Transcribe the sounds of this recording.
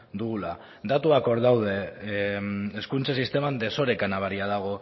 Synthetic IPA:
d̪uɣ̞ula | d̪at̪uako̞ɾðawð̞e̞ | eskunt͡sasist̪e̞mand̪e̞so̞ɾe̞kanaβaɾiaðaɣ̞o̞

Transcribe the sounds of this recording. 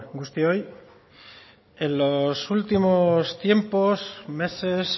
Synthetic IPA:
ɡust̪joj | e̞nlo̞sult̪imost̪je̞mpo̞sme̞se̞s

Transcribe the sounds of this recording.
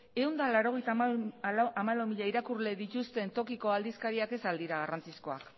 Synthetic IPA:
e̞und̪alaɾo̞ɣe̞jt̪ | amalawmiʎaiɾakurle̞ðit̪ust̪e̞nt̪o̞kiko̞ald̪iskaɾiake̞sald̪iɾaɣ̞arant͡sisko̞a̰k

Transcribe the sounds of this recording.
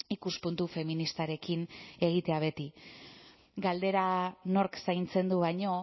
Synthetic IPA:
ikuspunt̪ufe̞minist̪aɾe̞kine̞ɣ̞it̪e̞aβ̞e̞t̪i | ɡald̪e̞ɾano̞ɾksajnt͡se̞nd̪uβaɲo̞

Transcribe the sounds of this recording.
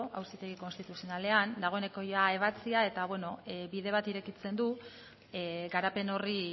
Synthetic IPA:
a̰wsit̪e̞ɣ̞iko̞nst̪it̪usio̞nale̞and̪aɣ̞o̞ene̞ko̞jae̞β̞at͡siae̞t̪aβwe̞no̞biðe̞β̞at̪iɾe̞kit͡se̞nd̪u | ɡaɾape̞no̞ri

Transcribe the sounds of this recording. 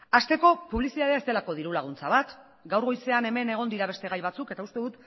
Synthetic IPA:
ast̪e̞ko̞puβlisiðað̞eaest̪e̞lako̞ð̞iɾulaɣ̞unt͡saβ̞at̪ | ɡawɾɣo̞jse̞ane̞me̞ne̞ɣ̞o̞nd̪iɾaβ̞e̞st̪e̞ɣ̞ajβ̞at͡suke̞t̪aust̪e̞ðut̪

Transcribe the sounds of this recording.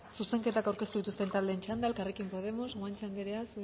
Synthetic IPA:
suse̞ŋke̞t̪akawɾkest̪uðit̪ust̪e̞nt̪ald̪e̞ːnt͡ʃand̪aelkarekimpo̞ð̞e̞mo̞zɣant͡ʃand̪eɾeasu

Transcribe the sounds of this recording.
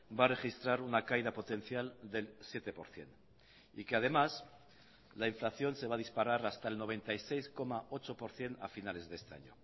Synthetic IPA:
bare̞xist̪ɾaɾunakajðapo̞t̪e̞n̟θjald̪e̞lsje̞t̪e̞po̞ɾθje̞̰n | ḭke̞að̞e̞mas | laiɱflaθjo̞nseβaðispaɾaɾast̪aelno̞β̞e̞nt̪ajse̞jsko̞maʔo̞t͡ʃo̞po̞ɾθje̞na̰finale̞zðest̪ea̰ɲo

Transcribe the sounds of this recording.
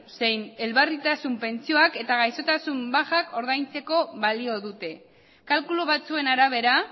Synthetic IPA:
se̞jne̞lβarit̪asumpe̞nt͡sio̞ake̞t̪aɣajso̞t̪asumbaxako̞ɾðajnt͡se̞ko̞βalio̞ðut̪e̞ | kalkuloβat͡sue̞naɾaβ̞e̞ɾa

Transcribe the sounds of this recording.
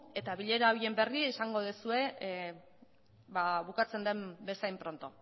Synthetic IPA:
e̞t̪aβiʎe̞ɾaojie̞mbe̞riesaŋɡo̞ðesue̞ | baβukat͡se̞nd̪e̞mbe̞sajmpɾo̞nt̪o̞

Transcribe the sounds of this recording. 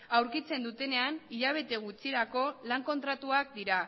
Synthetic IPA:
awɾkit͡se̞nd̪ut̪e̞ne̞aniʎaβ̞e̞t̪e̞ɣ̞ut͡siɾako̞laŋko̞nt̪ɾat̪uak̚d̪iɾa

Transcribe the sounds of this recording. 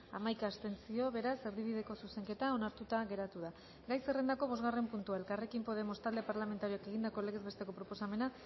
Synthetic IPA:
amajkaːst̪e̞nt͡sio̞βe̞ɾase̞ɾðiβiðe̞ko̞suse̞ŋke̞t̪aonaɾt̪ut̪aɣe̞ɾat̪uða | ɡajse̞re̞nd̪ako̞β̞o̞zɣare̞mpunt̪uae̞lkare̞kimpo̞ð̞e̞mo̞st̪ald̪e̞paɾlame̞nt̪aɾioake̞ɣ̞ind̪ako̞eleɣezβe̞st̪e̞ko̞pɾo̞po̞same̞na

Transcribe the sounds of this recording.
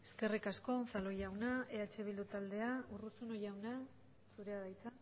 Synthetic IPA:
eske̞rikasko̞salo̞jawnae̞at͡ʃe̞βild̪ut̪ald̪e̞aurusuno̞jawna | suɾe̞aðajt͡sa

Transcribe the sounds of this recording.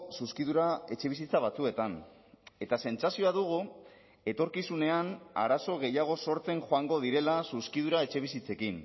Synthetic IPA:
suskiðuɾae̞t͡ʃe̞β̞isit͡saβat͡sue̞t̪an | e̞t̪ase̞nsasio̞aðuɣ̞u | e̞t̪o̞ɾkisune̞ana̰ɾaso̞ɣe̞jaɣ̞o̞so̞ɾt͡se̞ŋxoaŋɡo̞ð̞iɾe̞lasuskiðuɾae̞t͡ʃe̞β̞isit͡se̞kin

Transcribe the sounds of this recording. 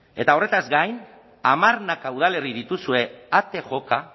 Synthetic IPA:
e̞t̪ao̞re̞t̪azɡajn | amaɾnakauð̞ale̞riðit̪usue̞at̪e̞ʝo̞ka

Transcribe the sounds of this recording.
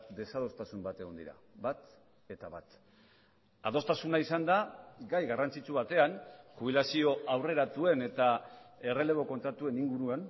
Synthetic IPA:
d̪e̞sað̞o̞st̪asumbat̪e̞ɣ̞o̞nd̪ḭɾa̰ | βat̪ | e̞t̪aβat̪ | að̞o̞st̪asunaisand̪aɡajɣarant͡sit͡suβ̞at̪e̞ankuβ̞ilasio̞ʔawre̞ɾat̪ue̞ne̞t̪ae̞re̞le̞β̞o̞ko̞nt̪ɾat̪ue̞niŋɡuɾuan

